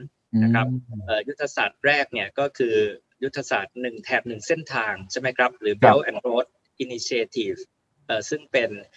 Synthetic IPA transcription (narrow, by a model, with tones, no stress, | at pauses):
na˥˧kʰɾa˦˥p̚ʔəː˨˩ju˦˥t̪ʰːa˧sa̰ː˨˩t̪̚ɾɛː˥˩k̚ni˥˩ɐkɔː˥˩kʰɯː˧ | ju˦˥t̪ʰːa˧saː˨˩t̪̚nɯ˨˩ŋt̪ʰɛː˨˩p̚nɯ˨˩ŋse˥˩nt̪ʰaː˧ŋt͡ɕʰa˥˩jma˦˥jkʰɾa˦˥p̚ɾɯː˩˦bɛ˦˥wʔɛ˧nɾoː˦˥t̪̚ | ʔi˧ni˧t͡ɕʰi˧eː˧t̪ʰiː˨˩f | ʔəː˨˩sɯ˥˩ŋpe˧n